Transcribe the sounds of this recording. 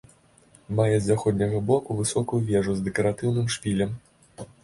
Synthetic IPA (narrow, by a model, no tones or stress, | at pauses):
majɛzʲaxɔd̪ʲnʲɐɣɐbɔkuvɨsɔkujuvʲɛʐuzd̪ɛkɐɾat̪ɨwnɨmʂpʲilʲɐm